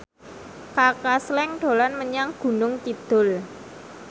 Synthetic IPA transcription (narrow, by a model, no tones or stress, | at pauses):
kakaslɛŋɖ̪̥o̤lanməɲaŋɡ̥ṳnʊŋt͡ʃid̪̥ʊ̤l